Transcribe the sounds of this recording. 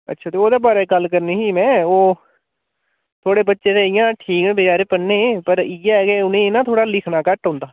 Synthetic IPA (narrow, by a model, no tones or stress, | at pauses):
ə̰tːʃʰaːt̪eːoːd̪eːbaːɾeːɡəlkəɾniːɦiːmɛ̃ːoː | t̪ʰoːɽeːbətːʃeːd̪eːɪjãːʈʰiːkːbɪt͡ʃaːɾeːpəɽneːpəɾiɛːɡeːʊnẽːnãːt̪ʰoːɽaːlɪkʰnaːkəʈɦõːnd̪aː